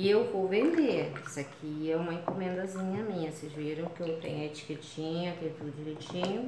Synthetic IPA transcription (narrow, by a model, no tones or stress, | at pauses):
ɪewvowvẽnd̪eɛsakʰiɛũmɐẽŋkomẽnd̪ɐzĩɲɐmĩɲɐsezveɾɐ̃w̃kɪewt̪ḛ̃ɲʊet͡ʃi̥ket͡ʃĩɲʊɐt̪ẽj̃t̪ud̪d͡ʒɪlet͡ʃĩɲʊ